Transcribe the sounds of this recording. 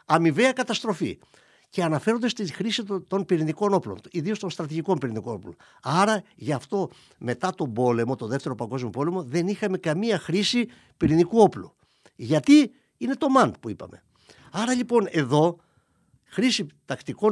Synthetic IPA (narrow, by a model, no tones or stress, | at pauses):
ɐmive̞ɐkɐt̪ɐst̪ɾo̞fḭ | ce̞ɐnɐfe̞ɾo̞nd̪est̪inxɾisit̪o̞npiɾiniko̞no̞ploniðio̞st̪onst̪ɾɐt̪iʝiko̞mpiɾinikonoplon | ɐɾɐʝɐft̪o̞ | me̞t̪ɐt̪o̞bo̞le̞mo̞t̪oðe̞ft̪e̞ɾopɐŋɡo̞zmopo̞le̞mo̞ðe̞nixɐme̞kɐmiɐxɾisi | piɾinikuo̞plu | ʝɐt̪i | ine̞t̪o̞mɐnd̪̚puipɐ̰me | ɐɾɐʎipo̞ne̞ðo̞ | xɾisit̪ɐkt̪iko̞